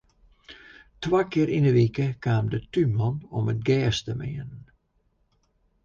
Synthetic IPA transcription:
twaːkɪəɾinəʋikəkʰaːmdətymɔnɔmət̚ɡɛːstəmɪən

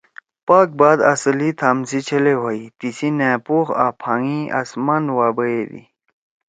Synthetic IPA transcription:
paːk̚baːd̪ɐsɐlit̪ʰaːmsit͡ɕʰɐleɦoit̪isineːpuxa̰ːpʰaːŋĩʔa̰smanwaːbəed̪ḭ

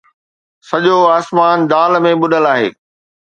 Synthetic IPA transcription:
sɐʄoaːsmaːnd̪aːlmẽɓʊɗəlaːɦḛː

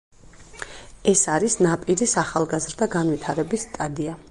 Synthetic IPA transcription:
ɛsaɾisnapʼiɾisaχalˠɡazɾd̪aɡanvit̪ʰaɾɛbisːt̪ʼad̪ia

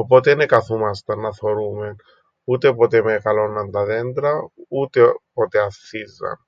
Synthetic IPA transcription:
opɔt̪enekaθumast̪anːaθoɾumen | ut̪epɔt̪emekalɔnːand̪aðent̪ɾaut̪epɔt̪eaθiza̰n

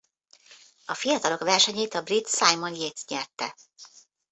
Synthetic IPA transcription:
ɒfijɒt̪ɒlo̞kʋɛrʃɛɲeːt̪ɒbrit̪sajmonjeːt̪sɲɛrt̪ɛ̰

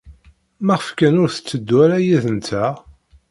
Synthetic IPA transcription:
mæʁəfkænʊɾθə̥t͡sːəd̪ːwæɾæjiðənt̪æ

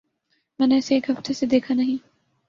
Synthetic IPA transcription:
mɛːneːɪseːkɦɐft̪esed̪eːkʰanɐɦĩ

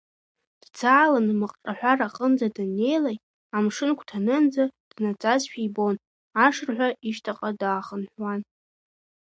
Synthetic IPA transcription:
d̥d͡zaːlanmaqʼʈ͡ʂʼaħᶣʷaraqʼənd͡zadɨnːe̞jlaj | amʂɨnkʷʰtʰanɨnd͡zad̥nat͡sʼazʃᶣijbo̞n | aʂrħᶣʷaiʃtʰaqʼadaːχənħʷwan

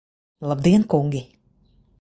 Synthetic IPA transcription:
lˠab̚d̪iɛnkuŋɡʲi

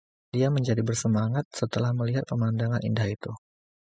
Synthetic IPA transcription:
diaməɲd͡ʒadibərsəmaŋat̪̚sət̪əlahməliɦat̪̚pəmandaŋanḭndahit̪u

